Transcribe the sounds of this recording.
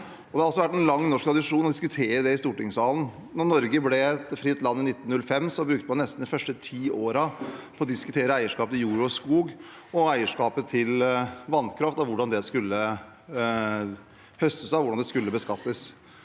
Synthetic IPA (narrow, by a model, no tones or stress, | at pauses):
ɔd̪ɛhɑɾɑls̬ɔʋæʈːɛnlɑŋːnɔʂk̚t̪ʰɾɑd̪ɪʂuːnɔd̪ɪskʉt̪ʰeːɾəd̪ɛɪst̪uːʈɪŋsɑːln̩ | nɔnɔɾɡəblɛɛt̪fɾɪt̪lɑnːɪnɪt̪ːn̩nʉlːəfɛmsɔmbɾʉkt̪əpɑnɛst̪n̩d̪ɪfœʂʈət̪ʰiːoːɾɑpʰɔɔd̪ɪskʉt̪ʰeːɾəæɪəʂkɑːpət̪ɪljuːɾʊɔskuːɡ | ɔæɪəʂkɑːpət̪ʰɪlʋɑnkʰɾɑft̪ɔʋʊɖɑnd̪ɛskʉlːə | hœst̪əsɑʋʊɖɑnd̪ɛskʉlːəbəskɑt̪ːəs